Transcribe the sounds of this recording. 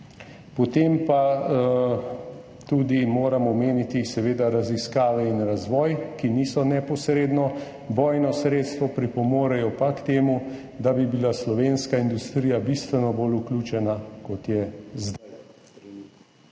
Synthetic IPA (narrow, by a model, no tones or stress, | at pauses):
pɔt̪empa | t̪uːd̪imoːɾamɔmeːnit̪isɛʋeːd̪aɾaziskaːʋɛinɾazʋɔːjkiniːsɔnɛpɔsɾeːd̪nɔ | bɔːjnɔsɾeːt̪st̪ʋɔpɾipɔmoːɾɛjɔpakt̪eːmu | d̪abibilaslɔʋeːnskaind̪ust̪ɾiːjabist̪ʋɛnɔbolukluːt͡ʃɛnakɔt̪jɛzd̪aj